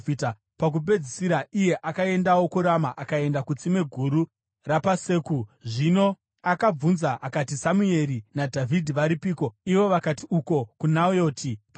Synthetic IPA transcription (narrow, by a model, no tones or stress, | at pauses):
ita | pak̬up̬e̞d͡zisiɾaʔije̞ʔakae̞ndawo̞kuɾamaʔakae̞ndakut͡sime̞ɡʱuɾu | rapase̞ːkuʐino̞ | akab͡vunzaʔakatisamue̞ɾinadʱavʱidʱiʋaɾipiːko̞iʋo̞ʋakatiuko̞kunajo̞ːtʰip